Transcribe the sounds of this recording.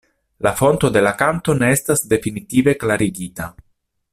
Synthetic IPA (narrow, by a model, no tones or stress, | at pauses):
lafo̞nto̞de̞lakanto̞ne̞e̞stasde̞finitive̞klaɾiɡita